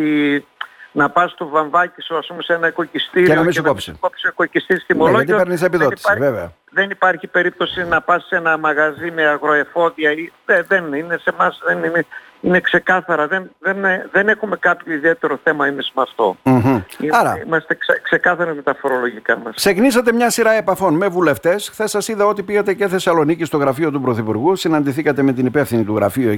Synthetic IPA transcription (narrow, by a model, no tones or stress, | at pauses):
i | nɐpɐst̪ovɐɱvɐcisoɐspumesenɐeko̞cist̪iɾeonɐmiseonɐopisikopsioko̞cist̪ist̪imoloɐʝt̪ieɾnisepiðoti̥sɐveveɐ̰ | ðenipɐɾçipe̞ɾip̚t̪osinɐpɐsːe̞nɐmɐɣɐzime̞ɐɣɾo̞e̞fo̞ðiɐieðenine̞se̞mɐsðenine | inekse̞kɐθɐɾɐðenðenðe̞nexume̞kɐpçoiðie̞t̪eɾo̞θe̞mɐimesmɐft̪o̞̰m̩ɦ̩iɐɾɐ̰imɐst̪e̞kskse̞kɐθɐɾizme̞t̪ɐfo̞ɾo̞lo̞ʝikɐmɐsseknisɐt̪e̞mɲɐsiɾɐe̞pɐθo̞nme̞vule̞ft̪e̞sxθe̞sːɐsiðɐo̞t̪̬ipiɣɐt̪e̞ceθe̞sɐlo̞nicist̪o̞ɣɾɐfio̞t̪̬upɾo̞θipuɾɣusinɐnd̪iθikɐt̪e̞me̞t̪inipe̞fθinit̪uɣɾɐfiu